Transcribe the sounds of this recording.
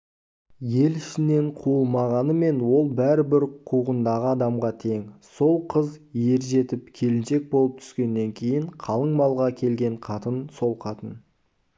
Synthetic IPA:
je̞lɪʃɪne̞ɴqʰuəlˠmɑʁɑnəme̞nwo̞lˠbæɾɪbɪɾqʰuʁənd̪ɑʁəɑd̪ɑmʁɑt̪ʰe̞ŋso̞lˠqʰəzje̞ɾʒe̞t̪ɪp̚kʲʰe̞lɪnʃe̞k̚bo̞lˠəp̚t̪ʰʏ̥skʲe̞nːe̞ŋkʲʰe̞jɪɴqʰɑlˠəɴmɑlˠʁɑkʲʰe̞lɡʲe̞ɴqʰɑt̪ənso̞lˠqʰɑt̪ən

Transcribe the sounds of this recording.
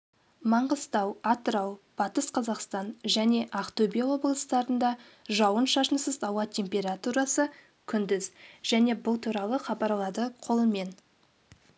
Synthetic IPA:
mɑɴʁəst̪ɑwɑt̪əɾɑwb̥ɑt̪əsqʰɑzɑqst̪ɑnʒæne̞ʔɑqt̪obʲijawo̞blˠəst̪ɑɾənd̪ɑ | ʒɑwənʃɑʃənsəzɑwɑt̪ʲʰe̞mpʲe̞ɾat̪uɾɑsə | kʲʰʏnd̪ɪzʒ̥æne̞bʊlˠt̪ʰuɾɑlˠəχɑbɑɾlˠɑd̪əqʰo̞lˠəme̞n

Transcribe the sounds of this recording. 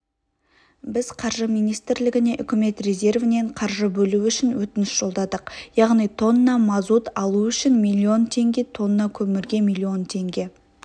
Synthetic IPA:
bɪzqʰɑɾʒəmijnijst̪ɪɾlɪɡʲɪne̞ʔʏkʲɪme̞t̪rʲe̞ze̞rvɪne̞ɴqʰɑɾʒəbɵluʏʃɪnwɵt̪ɪnɪsʒ̥o̞lˠd̪ɑd̪əqjɑʁnijt̪ʰo̞nəːɑmɑzut̪ɑlˠuʏʃɪnmilʲːio̞nt̪ʰe̞ŋɡʲe̞t̪ʰo̞nəːɑkʲʰɵmɪɾɡʲe̞mijlʲːio̞nt̪ʰe̞ŋɡʲe̞

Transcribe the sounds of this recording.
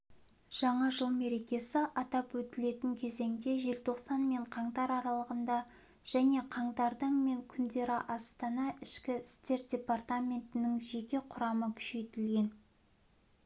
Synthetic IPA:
ʒ̥ɑɴɑʒəlˠme̞ɾe̞kʲe̞sɪʔɑt̪ɑpwɵt̪ɪle̞t̪ɪŋkʲʰe̞ze̞ŋd̪e̞ʒe̞lt̪ʰo̞qsɑnme̞ɴqʰɑɴt̪ɑɾɑɾɑlˠəʁənd̪ɑ | ʒ̥æne̞qʰɑɴd̪ɑɾd̪əɴme̞ŋkʲʰʏnd̪e̞ɾɪʔɑst̪ɑnɑɪʃkʲɪst̪e̞ɾt̪̚d̥ʲe̞part̪amʲe̞nt̪ɪnɪŋʒe̞kʲe̞qʰʊɾɑməkʲʰʏ̥ʃe̞t̪ɪlɡʲe̞n

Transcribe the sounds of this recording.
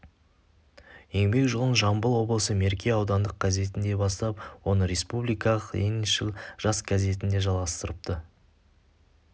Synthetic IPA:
je̞ŋɡʲme̞kʒəlˠənʒɑmbəlˠwo̞blˠəsəme̞ɾkʲe̞ɑwd̪ɑnd̪əq̚ɡ̥ɑze̞t̪ɪnd̪e̞bɑst̪ɑp̚wo̞nəɾe̞spublijkɑəqḛniʃəlˠʒ̥ɑsɡaze̞t̪ɪnd̪e̞ʒɑlˠʁɑst̪əɾəp̚t̪ə

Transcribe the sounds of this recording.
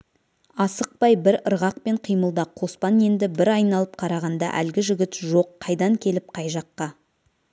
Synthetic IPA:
ɑsəq̚pɑjbɪɾəɾʁɑqpe̞ɴqʰijməlˠd̪ɑqʰo̞spɑne̞nd̪ɪbɪɾɑjnɑlˠəp̚qʰɑɾɑʁɑnd̪ɑ̰ʔæ̰lɡʲɪʒʏɡʲɪt̪ʒo̞qʰːɑjd̪ɑŋkʲʰe̞lɪp̚qʰɑjʒɑqːɑ

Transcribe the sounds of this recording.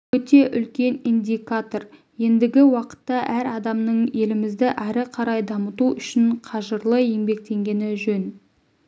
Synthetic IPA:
wɵt̪e̞ʔʏlkʲe̞nind̪ʲijkat̪o̞r | je̞nd̪ɪɡʲɪwɑqə̥t̪ːɑʔæɾɑd̪ɑmnəɴe̞lɪmɪzd̪ɪʔɑɾɪqʰɑɾɑjd̪ɑmət̪uʔʏʃɪɴqʰɑʒəɾlˠəje̞mbe̞k̚t̪e̞ŋɡʲe̞nɪʒɵn

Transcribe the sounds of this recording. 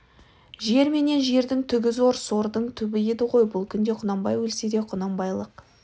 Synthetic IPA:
ʒe̞ɾme̞ne̞nʒe̞ɾd̪ɪŋt̪ʰʏɡʲɪzo̞ɾso̞ɾd̪əɴt̪ʰʏbɪjed̪ɪqʰo̞jbʊlˠkʲʰʏnd̪e̞qʰʊnɑmbɑjwɵlsed̪e̞qʰʊnɑmbɑjlˠəq

